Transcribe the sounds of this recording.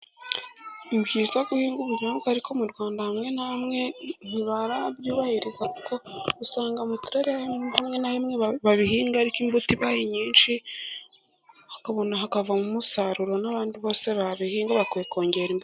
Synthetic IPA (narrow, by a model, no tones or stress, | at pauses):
imbhizaɡuhiːŋɡuβuɲanukaɾikʰo̞muɾɡwaːndahamŋe̞namŋen̥iβaɾaβjiβahiɾezakuko̞usaːŋɡamutuɾeɾeahamŋe̞nahimŋeβaβiɦiːŋɡaɾikimbutiβaːhiɲiːnʃi | hakaβonaɦakavamumusaɾuɾo̞naβaːndiβo̞ːse̞βaβihiːŋɡaβakweko̞ːɲɟe̞ɾimb